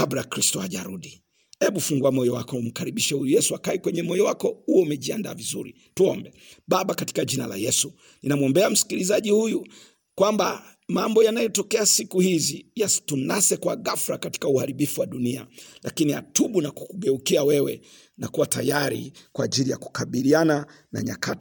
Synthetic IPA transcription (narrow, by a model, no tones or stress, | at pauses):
abɾakɾistɔaʄaɾuɗi | hɛɓufuŋɡuamɔjɔwakɔm̩kaɾiɓiʃɛhujujɛsuakaɛkwɛɲɛmɔjɔwakɔhuɔumɛʄianda̰ːvizṵɾḭ | tuɔmbɛ | ɓaɓakati̥kaʄinala̰jɛsu | ninamuɔmbɛam̩si̥kilizaʄihuju | kwamba | mambɔjanajɔtɔkɛasikuhizijastunasɛkwaɡafɾakati̥kauhaɾiɓifuwaɗunia̰lʔakiniha̰tuɓunaku̥kuɡɛukiawɛwɛ̰ | nakuwatajaɾḭkwa̰ːʄilija̰ku̥kaɓiliana | na̰ɲa̰kʰat